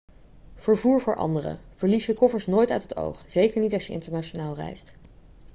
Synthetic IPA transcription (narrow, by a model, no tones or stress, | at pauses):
v̥əɹvuːɹvʊːɹʔɑ̰ndərə̰v̥əɹlisjəkɔfəɹsnoːjtœɥtɦəto̰wχz̥ejkəɹnitɑʃjəɪ̰ntəɹnaːt͡ʃonaːlˠrɛ̰jst